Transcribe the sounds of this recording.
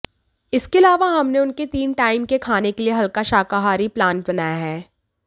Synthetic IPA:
ɪskeɐlaːʋaɦɐmneʊnket̪iːnʈaːɪmkekʰaːnekelieɦɐlkaʃaːkaɦaːɾiplãːnʈ̚bɐnaːjaɦɛː

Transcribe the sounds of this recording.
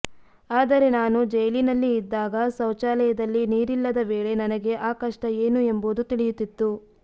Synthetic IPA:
aːd̪ɐɾe̞naːnud͡ʒɐjlinɐlːiːd̪ːaːɡɐsɐwt͡ʃaːlɛjɐd̪ɐlːiniːɾilːɐd̪ɐʋeːɭe̞nɐnɐɡe̞ʔaːkɐʂʈɐe̞ːnue̞mboːd̪ut̪iɭijut̪ːit̪ːu

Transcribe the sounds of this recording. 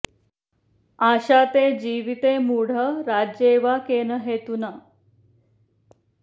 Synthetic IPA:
aɕat̪ed͡ʑiʋit̪emuɽ̤əɾad͡ʑeʋakenəɦet̪una

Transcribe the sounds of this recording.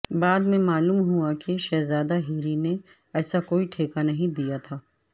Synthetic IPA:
baːd̪mẽmaːluːmɦuakeʃɛːzaːd̪aɦiːɾine | ɛːsakoːiʈʰeːkanɐɦĩd̪ijat̪ʰaː

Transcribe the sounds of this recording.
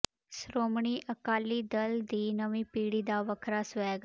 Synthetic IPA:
sɾoːmɳ̃iːʔəkaːliːd̪əld̪iːnəʋĩːpiːɽiːd̪aːʋəkʰɾaːsʋɛːɡ

